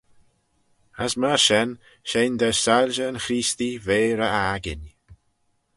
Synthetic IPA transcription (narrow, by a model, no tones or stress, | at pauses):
əsmaɹʃɛn | ʃend̪əsalʲʒəːnxɾiːst̪iveːɾəaɡɪ̰n